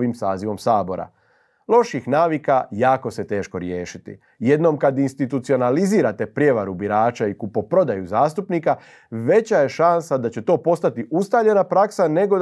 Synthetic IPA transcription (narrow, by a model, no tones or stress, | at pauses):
ʋimsaːziʋo̞msaːbo̞ɾa̰ | lˠo̞ʃixnaːʋikajaːko̞se̞t̪e̞ːʃko̞ɾjeːʃit̪ḭ | jed̪no̞mkad̪inst̪it̪ut̪sio̞naliziːɾat̪e̞pɾʲje̞ʋaɾubiɾaːt͡ʃaikupopɾo̞d̪ajuzaːst̪upniːka | ʋe̞t͡ɕaje̞ʃansad̪at͡ɕe̞t̪o̞ːpo̞st̪at̪iust̪aʎe̞napɾaksane̞ɡo